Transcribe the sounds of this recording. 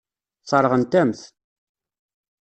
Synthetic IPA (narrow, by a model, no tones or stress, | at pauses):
t͡sˤːɑɾˤəʁənt̪æmθ